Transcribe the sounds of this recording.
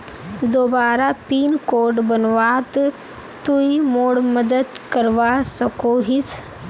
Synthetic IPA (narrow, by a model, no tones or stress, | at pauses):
d̪oːbaːɾapiːnkoːɖbənʋaːt̪ | t̪uimoːɽməd̪əd̪kəɾʋasɐkoɦis